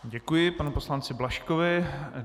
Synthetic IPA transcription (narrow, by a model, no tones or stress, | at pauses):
ɟɛkujɪpanupo̞slant͡sɪblaʃkovɪ